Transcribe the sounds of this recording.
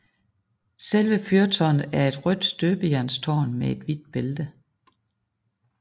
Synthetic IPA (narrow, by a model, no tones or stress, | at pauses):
selʋəfyɐt͡sʰɒnæɐe̝d̥ʁœd̥sd̥øːb̥əjæɐnst͡sʰɒ̰ːnmee̝d̥ʋid̥̚b̥eld̥ə